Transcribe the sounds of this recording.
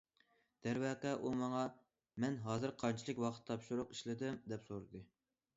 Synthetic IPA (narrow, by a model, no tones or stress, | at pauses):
d̪̥ɛɾwɛqɛʔumɑŋɑ | mɛnɦɑːzɨɾqʰɑɾnt͡ʃʰilˠɨkʲwɑqʰə̥t̪ʰːɑpʃuɾʊqiʃlɪd̪ɪmd̪ɛpsoɾɨd̪ɨ